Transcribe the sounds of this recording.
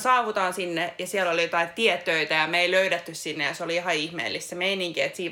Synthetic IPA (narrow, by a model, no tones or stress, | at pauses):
sɑːʋut̪ɑːnsinːejɑsiɛlolijot̪ɑitt̪iɛt̪ːøit̪æjɑmeiløyɾet̪ːyssinːejɑseoliihɑihmḛːlːist̪semeiniŋkiet̪siː